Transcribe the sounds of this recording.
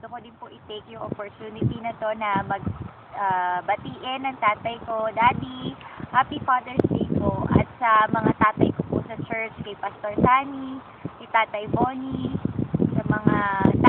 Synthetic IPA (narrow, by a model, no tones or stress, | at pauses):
d̪ʊkod̪ɪnpoʔɪt̪ejkjʊŋʔopoɹt̪uːnɪt̪inɐt̪o̞nɐmɐɡ̚ | ʔaːbɐt̪iːʔɪnːɐŋt̪aːt̪ɐjkod̪aːt̪ihaːpifaːd̪ɛɹspiːkoʔɐ̰t̪̚sɐmɐŋat̪aːt̪ɐjkopʊ̰sɐt͡ʃɛɹt͡ʃkɐjpɐst̪oɹsaːni | kɐjt̪aːt̪ɐjmoːni | sɐmɐŋat̪